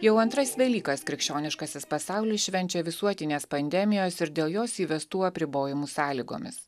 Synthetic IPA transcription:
jɛʊɐnt̪ɾɐsʋʲɛlʲiːkɐskɾʲɪkʃʲt͡ʃʲoːnʲɪʃkɐsʲɪspɐsɑˑʊlʲɪʃʲʋʲɛnʲt͡ʃʲɛʋʲɪsuɔt̪ʲɪnʲeːspɐnʲd̪ʲɛmʲɪjoːsɪɾd̪ʲeːlˠjoːsiːʋʲɛst̪uːɐpʲɾʲɪboːjɪmuːsɑːlʲiːɡo̰ːmʲɪ̰s

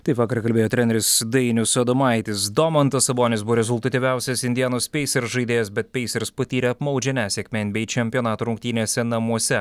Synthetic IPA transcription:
t̪ɐɪpʋɑːkɐɾkɐlʲbʲeːjoːt̪ʲɾʲɛːnʲɛɾʲɪsd̪ɐɪnʲʊsɐd̪omɑˑɪt̪ʲɪsd̪oːmɐnt̪ɐsɐboːnʲɪsbuʋoːɾʲɛzʊlˠʲt̪ɐt̪ʲiʋʲæˑʊsʲɛsɪnʲd̪ʲɪjɛnoːspʲɛɪsʲɛɾsʒɐɪd̪ʲeːjɛs̬bʲɛt̪̚pʲɛɪsʲɛɾspɐt̪ʲiːɾʲɛɐpmɐʊd͡ʒʲɛnʲæːsʲeːkʲmʲɛnbʲɛɪt͡ʃʲɛmʲpʲjoːnɑːt̪uːɾʊŋk̚t̪ʲiːnʲeːsʲɛnɐmuɔsʲɛ

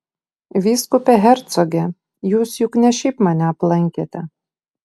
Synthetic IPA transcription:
ʋʲiːskʊpʲɛɦʲɛɾt̪sɔɡʲɛ | juːsjʊknʲɛʃʲiːpmɑnʲɛɐplˠɐŋʲkʲet̪ʲɛ

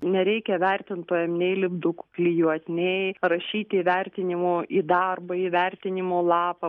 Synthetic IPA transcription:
nʲɛɾʲɛɪkʲɛʋʲɛrʲt̪ʲɪnt̪uːjɛmnʲɛɪlʲɪbd̪ʊkʊklʲɪjuɔt̪ʲnʲɛɪrɐʃʲiːt̪ʲiʋʲɛrʲt̪ʲɪnʲɪmoːʔiːd̪ɑrbɐiːʋʲɛrʲt̪ʲɪnʲɪmoːlˠɑːpɐ

